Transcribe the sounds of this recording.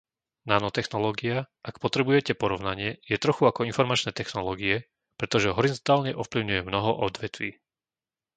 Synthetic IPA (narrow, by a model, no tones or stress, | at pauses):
naːnɔt̪ɛxnɔlɔːɡia | ʔakpɔt̪ɾɛbujɛcɛpɔɾɔʊnaɲɪɛjɛt̪ɾɔxuakɔinfɔɾmat͡ʃnɛːt̪ɛxnɔlɔːɡiɛ | pɾɛt̪ɔʒɛɦɔɾizɔnt̪aːlɲɛʔɔfpliʊɲujɛmnɔɦɔʔɔd̪ʋɛt̪ʋiː